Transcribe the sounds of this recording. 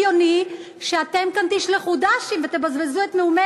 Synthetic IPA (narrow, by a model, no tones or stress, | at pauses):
oni | ʃeat̪emkant̪iʃleχudaʃimvet̪ebazbezuet̪meume